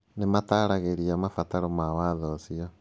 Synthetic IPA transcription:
nemataɾaɣeɾiamafataɾɔmawaðɔsiɔ

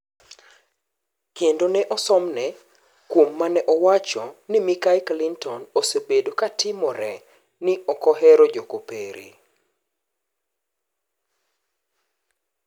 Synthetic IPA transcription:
kendonɛʔɔsɔmnɛ | kwomːanɛʔɔwat͡ʃɔnɪmikaɪklintʰɔnosebedokatɪmɔɾɛ | nɪɔkɔɦɛɾɔd͡ʒokopḛɾḛ

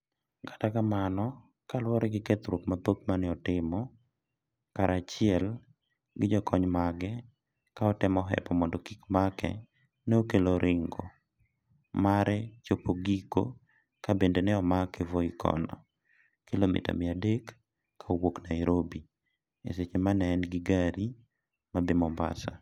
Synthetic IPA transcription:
ɡatakamanɔ | kalwɔɾɛɡɪket̪ɾop̚mapop̚manɪɔtɪmɔ | kaɾat͡ʃɪɛl | ɡɪd͡ʒɔkʰɔɲmaɡɛ | kaɔtɪmɔɦɛ̰pɔmɔndɔkikmakɛ̰ | nɛokeloɾʔɪŋɡɔ | maɾɛt͡ʃopoɡiko̰ | kabendenɛɔmakɛvoikʰɔ̰nɔ̰ | kilomḭta̰mɪadekʰː | aowoknajɾobi | ḛset͡ʃemanɛːnɡiɡaɾi | mabɪmɔmba̰sa

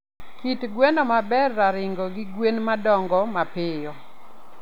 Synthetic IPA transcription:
kitɡwɛnɔmabɛrːaɾɪŋɡɔɡɪɡwenmadɔŋɡɔmapɪjɔ

